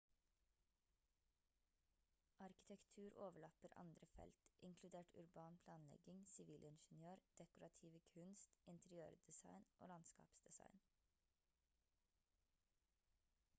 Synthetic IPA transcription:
ɑɾkɪ̥t̪ʰɛkt̪ʰʉːɾʔoːʋəɭɑpəɾʔɑ̰nd̪ɾəfɛ̰lt̪ʔɪŋkʰlʉd̪eːʈʰʉ̰ɾbɑːnpʰlɑːnlɛ̰ɡɪŋsɪʋiːlʔɪnʃənjøːɾd̪̥ɛkʊɾɑt̪ʰiːʋəkʰʉnst̪ɪnt̪ʰɛɾɪøːɾd̪̥ɛsɑ̰ɪnʔo̰ːlɑnskɑ̰ːpsd̪̥ɛsɑ̰ɪn

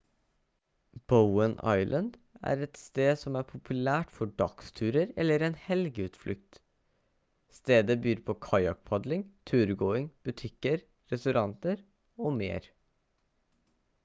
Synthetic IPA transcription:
b̥əʊənɑ̰ɪlʔənd̪ | æ̰ːɾɛt̪st̪eːsɔmæɾpʰʊpʰʉlæːʈfɔɖɑkst̪ʰʉːɾəɾɛ̰lːəɾɛːnhɛlɡəʉːt̪flʔʏkt̪ | st̪eːd̪əbyːɾpʰokʰɑjɑk̚pʰɑd̪lɪŋt̪ʰʉːɾɡoːɪŋb̥ʉt̪ʰɪkəɾ | ɾɛst̪ʉɾɑnt̪əɾ | oːmḛːɾ

